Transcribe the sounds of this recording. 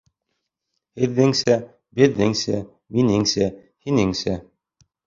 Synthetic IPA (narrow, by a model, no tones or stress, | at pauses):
hɘ̆ðːɘŋsæ | bɘ̆ðːɘŋsæ | minɘŋsæ | hinɘŋsæ